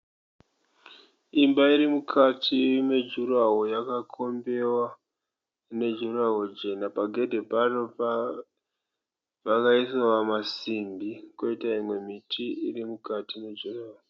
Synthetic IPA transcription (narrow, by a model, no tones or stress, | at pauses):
imbaiɾimukʰatimed͡ʒuɾaɦojakakʰo̞mbe̞wa | ne̞d͡ʒuraɦo̞d͡ʒe̞napaɡʱe̞dʱe̞parop | ʋakaisowamasimbiko̞itaimwe̞mitiirimukatined͡ʒuraɦo